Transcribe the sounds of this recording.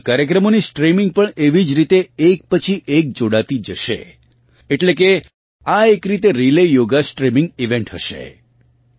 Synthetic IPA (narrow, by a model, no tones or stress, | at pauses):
kaɾjək̬ɾəmonisʈɾimiŋɡ̚pəɳeʋid͡ʒɾit̪eek̚pət͡ʃʰiʔek̚d͡ʒoɽat̪id͡ʒəʃḛ | eʈlek̬e | aekɾit̪eɾilejoɡasʈɾimiŋɡiʋeɳʈɦəʃḛ